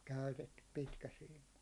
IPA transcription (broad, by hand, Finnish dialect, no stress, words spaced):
kæytetːyp pitkæsiːmˑɑ